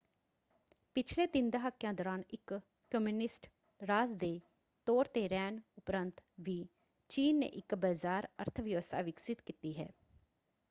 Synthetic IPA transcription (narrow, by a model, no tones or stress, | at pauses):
pɪt͡ʃʰleːt̪ɪnd̪aɦakːjãːd̪oːɾaːnɪkː | əmjuːnɪsʈ | ɾaːzd̪eː | t̪oːɾt̪eːɾɛːnʊpɾənt̪ʋiː | t͡ʃiːnːḛːʔɪkbaːzaːɾə̰ɾt̪ʰəʋjəʋəst̪ʰa̰ːʋɪksɪt̪kit̪iːɦɛ̰ː